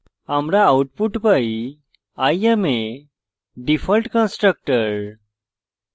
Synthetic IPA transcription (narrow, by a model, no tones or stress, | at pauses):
amɾaːuʈpuʈpai | ajeme | ɖifʰəlʈkə̃nsʈɾək̚ʈəɾ